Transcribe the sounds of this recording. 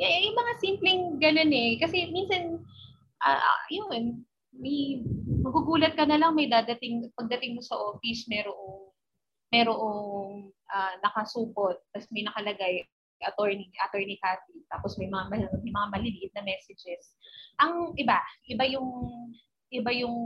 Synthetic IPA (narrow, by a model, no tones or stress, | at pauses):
jɛʔjʊŋmɐŋasimplɛŋɡɐnonɛkɐsɛminsɐn | ʔa̰ːʔɐjoŋɛn | mɐjmɐɡuɡuːlɐt̪̚kɐnɐlɐŋmɐjd̪ad̪ɐt̪ɪŋpɐɡ̚d̪ɐt̪ɪŋmosɐʔoːfɪsmɛɾoʔoŋ | mɛɾoʔoŋŋʔanɐkɐsuːpot̪̚tɐsmɐjnɐkɐlɐɡaj | ɡʔɐt̪oɹniʔɐt̪ɛɹnikaːt̪̚it̪aːposmɐjmɐŋamɐmɐjmɐŋamɐlɪliːʔɪt̪̚nɐmɛːsɛd͡ʒɛsʔɐŋʔɪbaʔɪbajʊŋ | ʔɪbajʊŋ